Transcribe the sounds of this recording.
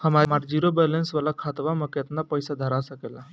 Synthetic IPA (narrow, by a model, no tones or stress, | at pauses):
həmamaɾd͡ʑiɾobɛlensʋəlakʰat̪ʋaməkjet̪napəjsad̪ʱəɾasəkela